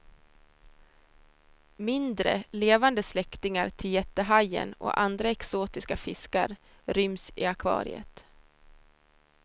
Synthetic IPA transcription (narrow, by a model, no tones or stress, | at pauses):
mɪnd̪ɾə̰leːvand̪əslɛkt̪ɪŋaɾt̪ʰɪljɛt̪ːəɦajə̰nɔ̰ʔand̪ɾaɛksoːt̪ɪskafɪska̰ɾ | ɾʏmsɪakʰvɑ̰ːɾɪ̰ə̰t̪